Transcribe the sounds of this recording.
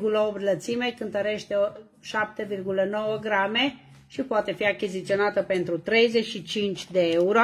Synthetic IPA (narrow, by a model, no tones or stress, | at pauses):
ɡuləopt̪lət̪simejkɨnt̪əɾe̞ʃt̪eo | ʃap̚t̪e̞virɡuləno̞wəɡɾame̞ | ʃipoat̪e̞fiakʲizit̪sio̞nat̪əpent̪ɾut̪ɾe̞jzeʃit͡ʃint͡ʃʲd̪eeuɾo